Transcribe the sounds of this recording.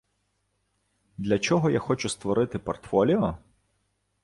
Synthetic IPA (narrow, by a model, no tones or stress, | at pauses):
d̪lʲɐt͡ʃɔɦɔjaxɔt͡ʃʊst̪ʋɔɾɪt̪ɪpɔrt̪fɔlʲiɔ